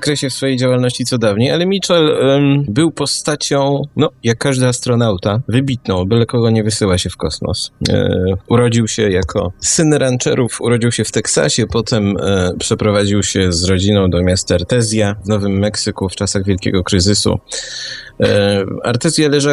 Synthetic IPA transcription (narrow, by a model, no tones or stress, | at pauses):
akɾɛɕɛfsfɔjejd͡ʑawalnɔɕt͡ɕit̪sɔd̪avɲejalɛmʲit͡ʂɛlbɘwpɔst̪at͡ɕɔ̃w̃nɔjakːaʐd̪aast̪ɾɔnawt̪avɘbʲit̪nɔ̃w̃bɘlɛkɔɡɔɲɛvɘsɘwaɕɛfkɔsmɔ̰s | uɾɔd͡ʑiwɕɛjakʰɔ̰sɘnɾant͡ʂɛ̰ɾufṵɾɔd͡ʑiwɕɛft̪ɛksa̰ɕɛpɔt̪ɛmpʂɛpɾɔvad͡ʑiwɕɛzɾɔd͡ʑinɔ̃w̃d̪ɔmʲjast̪aaɾt̪ɛzʲjavnɔvɘmːɛksɘkuft͡ʂasaɣvʲjɛlkʲɛ̰ɡɔkɾɘzɘsṵ | a̰ɾt̪ɛzʲjalɛʐa